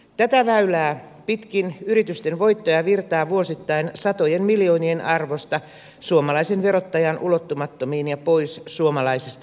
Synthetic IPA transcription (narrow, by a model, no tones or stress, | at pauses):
t̪æt̪æʋæylæː | pit̪kinyɾit̪yst̪enʋoit̪ːojɑʋirt̪ɑːʋuosit̪ːɑinsɑt̪ojenmiljoːnienʔɑrʋost̪ɑ | suomɑlɑisenʋeɾot̪ːɑjɑnʔulot̪ːumɑt̪ːomiːnjɑpoissuomɑlɑisest̪